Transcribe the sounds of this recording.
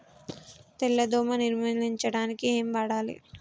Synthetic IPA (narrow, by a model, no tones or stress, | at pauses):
t̪ɛlːɐd̪oːmɐniɾmɐliɲt͡ʃɐɽaːnikieːmʋaːɽaːlḭ